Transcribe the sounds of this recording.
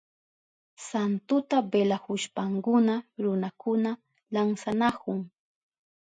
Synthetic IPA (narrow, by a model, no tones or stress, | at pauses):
sant̪ʊt̪abelahʊʃpaŋkʊnaɾʊnakʊna | laŋsanakʊŋ